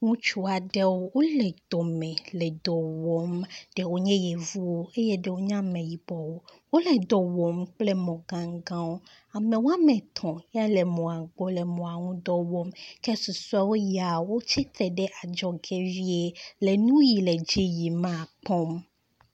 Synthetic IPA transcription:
ŋũ˦t͡ʃu˦a˨ɖɛ˦wo˦wo˦lɛ˨d̪ɔ˨mɛ̃˨lɛ˨d̪ɔ˨wɔ˦mɖ̥e˨wo˦ɲɛ̃˦je˨vu˦wo˦e˦je˦ɖe˦wo˦ɲã˦mẽ˨ji˨bɔ˨wo˦wo˦lɛ˨d̪ɔ˨wɔ˨mk͡ple˦mɔ̃˨ɡã˨ŋɡã˦wo˦ | a˨mẽ˨wa˦mẽ˨t̪ʰɔ̃˨ja˦le˨mɔ̃˨a˨ɡ͡bɔ˦le˨mɔ̃˨a˨ŋũ˦d̪ɔ˨wɔ˦mkɛ˦su˨sa˦wo˦ja˨wo˦t͡ɕʰi˦t̪ʰe˨ɖe˦ʔa˨d͡ʒɔ˨ɡe˦vi˦e˦le˨nũ˦ji˨le˨d͡ʑi˦ji˨mã˦˨k͡pɔ̃˦m

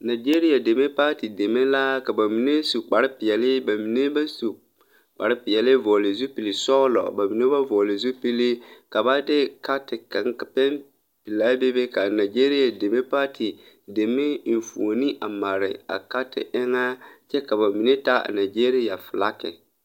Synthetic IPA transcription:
na˨d͡ʒeː˦ɾi˦ja˨de˨me˦pa˦ti˨de˨me˦la˦ka˨ba˨mi˨ne˦su˨k͡pa˨ɾɪ˦pɪ˨ɛ˨lɪ˦ba˨mi˨ne˦ba˦su˨ | k͡pa˨ɾɪ˦pɪ˨ɛ˨lɪ˦vɔː˨lɪ˨zu˦pi˨li˨sɔː˦lɔ̰˨ba˨mi˨ne˦ba˦vɔ˨lɪ˨zu˦pi˦li˦ka˨ba˦dɪ˦ka˦tɪ˨ka˨ŋ˦˨pɛ˦n | pi˨laː˦be˦be˦ka˨na˨d͡ʒe˦ɾi˦ja˨de˨me˦pa˦tʰi˨ | de˨me˦n̩˨fṵ˨o˨ni˦ʔa˨ma˨ɾɪ̰˨a̰˨ka˦tɪ̰˨ʔɪ˦ŋa˦t͡ʃɛ˦ka˨ba˨mi˨ne˦ta˦a̰˨na˨d͡ʒeː˦ɾi˦ja˨fɪ˨la˦kɪ̰˨

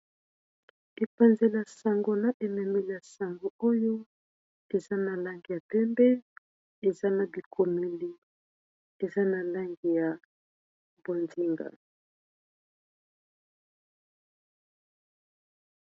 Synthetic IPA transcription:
e˨pa˨nze˨la˨sa˨ŋɡo˦na˨ʔe˨mɛ˨me˨li˨a˨sa˨ŋɡo˦o˦jo˦ | e˨za˦na˨la˦ŋɡi˨ja˨pɛ˦mbɛ˦ | e˨za˦na˨bi˨kʰo˨me˨li˨ | e˨za˦na˨la˦ŋɡi˨ja˨ | bo˨ndi˦ŋɡa̰˨

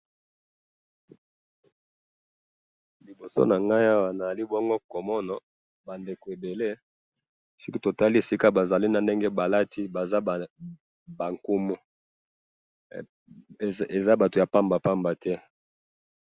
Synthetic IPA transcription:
li˨bo˨so̰˦na˨ŋɡa˦ja˦wa˨na˨a˨li˦bɔ˦ŋɡo˦ko˨mɔ˦na˨ | ba˨nde˨ko˨e˨be˨le˦ | si˦ki˦to˨ta˦li˦e˨si˦ka˦ba˨za˨li˦na˨nde˦ŋɡe˦ba˨la˦ti˦ba˨za˦˨ | ba˨ŋko˦mo˦˨ | e˨za˦ba˨to˨ja˨pa˦mba˨pa˦mba˨tɛ˦

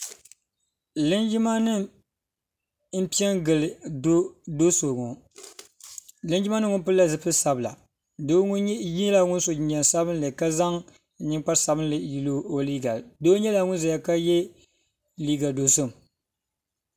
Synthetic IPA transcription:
lɨ˦nd͡ʒɪ˦ma˦nɨ˦ | m̩˦pi˦ɛ˦ŋɡɨ˨lɨ˨˦ | do˦so˨ŋo˨ | lɨ˦nd͡ʒɪ˦ma˦nɨ˦ŋʊ˦npɨ˦lːa˦zɨ˦pɨ˦sa˨bɨ˨la̰˨ | do˦jɲ˦la˨ŋʊ˦nso˨d͡ʒɲɛ˨nsa˦bɨ˦nlɨ˨ka˦za˦ŋ˨ | ɲɪ˦ŋk͡pa˦ɾsa˨bɨ˦nlɨ˨ji˨lo˦o˦liː˦ɡa˨doː˦ɲɛ˦la˨ŋʊ˦nza˨ja˨ka˦jɛ˦ | liː˦ɡa˨do˨so˦˨m

